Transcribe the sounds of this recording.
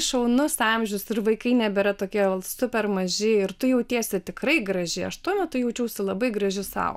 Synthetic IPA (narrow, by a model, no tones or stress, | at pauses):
ʃɐʊnʊsɑmʲʒʲʊsɪrʋɐɪkɐɪnʲɛbʲɛɾɐt̪oːkʲiɛɐlˠsʊpʲɛrmɐʒʲɪɪrt̪ʊjɛʊt̪ʲiɛsʲɪt̪ʲɪkrɐɪɡɾɐʒʲɪɐʃt̪uɔmʲɛt̪ʊjɛʊt͡ʃʲɛʊsʲɪlˠɐbɐɪɡɾɐʒʲɪsɑ̰ʊ